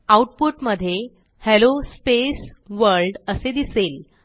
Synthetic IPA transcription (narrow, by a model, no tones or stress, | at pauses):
auʈpuʈməd̪ʱːje | helospesʋəɾlɖəsed̪isel